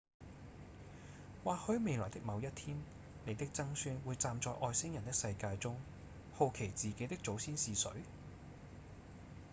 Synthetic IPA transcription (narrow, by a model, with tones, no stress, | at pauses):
waː˨hɵ˨˥ɥme˨˧jlɔː˨˩jt̪ɪ˥k̚mɐ˨˧wjɐ˥t̚t̪ʰiː˥n | ne˨˧jt̪ɪ˥k̚t͡sɐ˥ŋsyː˧nwuː˨˧jt͡saː˧mt͡sɔː˧jʔɔː˨˧jsɪ˥ŋjɐ˨˩nt̪ɪ˥ksɐ˧jkaː˧jt͡sʊ˥ŋ | ho˨wkʰe˨˩jt͡siː˨ke˨˥jt̪ɪ˥k̚t͡so˨˥wsiː˥nsiː˨˧sɵ̰˨˥ɥ